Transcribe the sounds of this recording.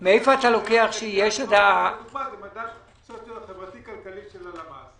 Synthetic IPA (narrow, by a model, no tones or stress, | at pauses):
meejfoat̪alo̞keaχʃejeʃad̪amazemad̪a | ksot̪jodχevʁat̪ikalkaliʃelalamaz